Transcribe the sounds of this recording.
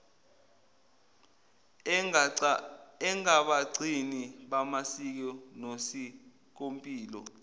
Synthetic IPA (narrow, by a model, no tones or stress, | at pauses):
ɛŋaɓaǀiniɓamasik̬ɔnosi | k̬ompʼiːlɔ̰